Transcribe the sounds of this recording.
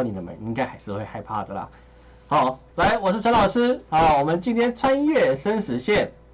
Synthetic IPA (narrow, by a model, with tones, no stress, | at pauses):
ni˨˩d̪ə˨˩mə̰˨˩˦ŋi˧˥ŋka˥ɪxa˧˥ɪʂɻ̩˥˧xwe˥˧ɪxa˥˧ɪpʰa̰˥˩d̪ə˩lə̰˩ | hɑ˧˦ʊ | la˧˥˦ɪwɔ˨˩ʂɻ̩˥˩t͡ɕʰɑ˧˥lɑ˨ʊʂɹ̩˦a˨wɔ˨˩mə˨˦nt͡ɕi˥nt̪ʰjɛ˥nt͡sʰwa˦njɥɛ˥˩ʂə˥nʂɻ̩˧˥ɕjɛ˥˨˩n